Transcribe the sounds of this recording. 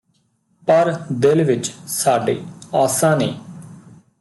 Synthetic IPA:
pəɾd̪ɪlʋɪt͡ʃsaːɖḛːaːsãːneː

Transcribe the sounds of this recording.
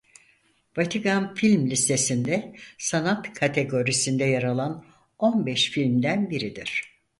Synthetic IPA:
vat̪ʰikanfilʲmlʲist̪ʰesind̪ɛsanat̪kʰat̪ʰe̞ɡo̞ɾisind̪ɛjaɾalˠan | o̞nbɛʃfilʲmd̪ænbiɾid̪iɾ̝̥

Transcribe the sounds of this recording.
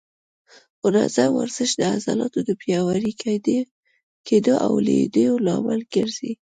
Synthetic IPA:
ʊɾa̰zawa̰ɾz̥əʃd̪əazɑlɑt̪od̪əpjɑwaɾikd̪ | kʰed̪əʔawled̪əjolɑmalɡ̥əɾz̥i

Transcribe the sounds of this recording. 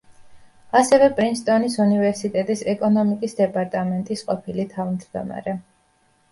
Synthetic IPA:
asɛvɛpʼɾinst̪ʼɔnisunivɛɾsit̪ʼɛt̪ʼisɛkʼɔnɔmikʼisd̪ɛpʼaɾt̪ʼamɛnt̪ʼisqʼɔpʰilit̪ʰavmd̪d̪ɔ̰ma̰ɾɛ

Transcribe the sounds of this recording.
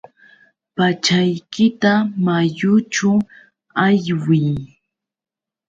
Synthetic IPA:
pat͡ʃajkɪt̪amajʊt͡ʃʊ | aʎwɪj

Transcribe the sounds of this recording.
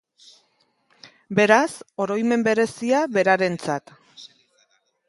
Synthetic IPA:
be̞ɾaso̞ɾo̞jme̞mbe̞ɾe̞siaβe̞ɾaɾe̞nt͡sat̪

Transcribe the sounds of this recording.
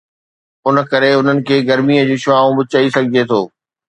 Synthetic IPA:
ʊnəkɐɾeʊn̤ənɪ̆kʰeːɡɐɾmiːəd͡ʑiːʃʊaːũbʊt͡ɕɐisɐɡʱɪd͡ʑʱet̪ʰoː

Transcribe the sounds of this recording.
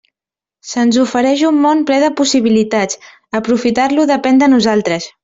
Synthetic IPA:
sənzufəɾɛʃumːonplɛð̞əpusiβ̞ilit̪at͡s | əpɾufit̪aɾluðəpɛnd̪ənuzalˠt̪ɾəs

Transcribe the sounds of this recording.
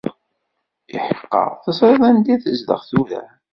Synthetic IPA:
ḭħəqːə̰ʁθəsˤɾˤɪðˤænd̪iθəzd̪ə̰ʁθuðæ̰

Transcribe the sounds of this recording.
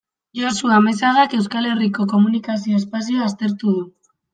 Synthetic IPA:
josuame̞saðake̞wskale̞riko̞ko̞munikas̬io̞espas̬ioast̪e̞ɾt̪uð̞u

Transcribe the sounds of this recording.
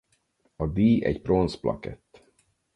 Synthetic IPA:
ɒd̪iːɛ̰ɟpro̞nsplʔɒ̰kɛt̪ː

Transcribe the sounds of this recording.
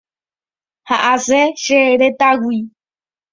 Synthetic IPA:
haʔaseʃeɾet̪awi

